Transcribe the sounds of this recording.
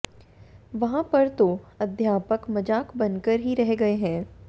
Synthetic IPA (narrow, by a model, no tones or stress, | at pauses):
ʋɐɦãpɐɾt̪oɐd̪ʱjaːpəkmɐd͡ʒaːkbɐ̃nkəɾɦiɾɛɦeɡɐeɦɛ̃ː